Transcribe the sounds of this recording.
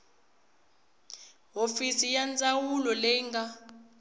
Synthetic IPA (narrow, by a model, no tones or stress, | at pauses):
ɦofisijand͡zawulɔlɛŋɡa